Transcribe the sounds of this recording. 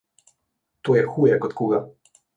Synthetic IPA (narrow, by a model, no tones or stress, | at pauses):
t̪oːjɛxuːjɛkɔt̪kuːɡa